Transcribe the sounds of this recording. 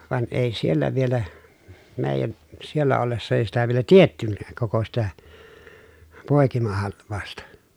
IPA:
ʋɑn ʔeˑi sielːæ ʋielæ meˑi̯jæn sielːæ olːesːɑ eˑi sitæ ʋielæ tietːynːæːk koko sitæ poˑekimɑhɑlʋˑɑˑu̞stɑ

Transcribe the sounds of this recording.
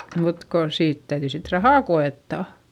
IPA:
mut ko siːt tæyðyi sit rɑhɑˑ koetːɑˑ

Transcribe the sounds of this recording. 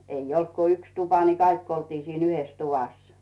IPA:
eij olt ku yks tupɑ ni kɑikː oltiː siːn yhes tuʋɑs

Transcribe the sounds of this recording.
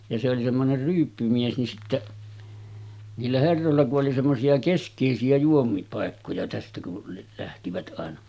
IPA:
jɑ se oli semːoner ryːpːymies nin sitːeʔ niːlːæ herːolːɑ kuʔ ʔoli semːosiɑ keskˑeˑisiæ juomiŋkipɑˑekːojɑ tæstæ ku læhtiʋæt ʔɑˑenɑ

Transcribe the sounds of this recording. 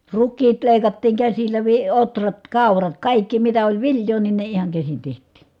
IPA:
rukːiːt leˑikɑtːiːŋ kæsilːæ ʋi otrɑt kɑˑurɑt kɑˑikːi mitæ olʲ ʋiljˑoː nin ne ihɑŋ kæsin tehtˑiː

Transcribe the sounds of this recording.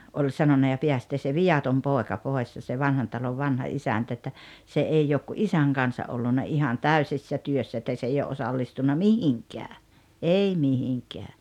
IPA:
olʲ sɑnonɑ jɑ peæsteː se ʋij̆ɑtom poˑekɑ poˑes jɑ se ʋɑnhɑn tɑloʋ ʋɑnhɑ isæntæ etːæ se eˑi oːk ku ʔisæŋ kɑnsɑ ʔolːunːɑ ihɑn tæysisːæ tyøsːæ etːæ s ei oʔ ʔosɑlːistunːɑ mihiŋkæː ei mihiŋkɛæ

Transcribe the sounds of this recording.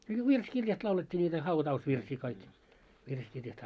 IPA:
no ʋirskirjɑst lɑuletʲːiː nʲiːtæ hɑutɑusʋirsiː kɑik ʋirskirjɑst

